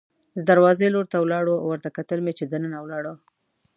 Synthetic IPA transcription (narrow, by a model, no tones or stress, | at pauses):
d̪əd̪aɾwɑzeloɾt̪awlɑɽowəɾt̪akat̪əlmet͡ʃed̪ənənawlɑɽə